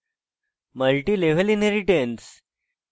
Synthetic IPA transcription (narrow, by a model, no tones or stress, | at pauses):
məlʈiːleʋ̤elineɾiʈens